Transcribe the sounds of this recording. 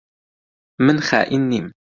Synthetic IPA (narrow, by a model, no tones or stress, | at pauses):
mənχæ̰ːʔinːim